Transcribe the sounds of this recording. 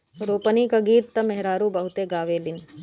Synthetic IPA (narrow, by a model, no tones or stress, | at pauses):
ɾoːpənikaɡiːt̪t̪ɐmɛɦɾaːɾũbɐɦʊt̪eɡaːʋeːlɪn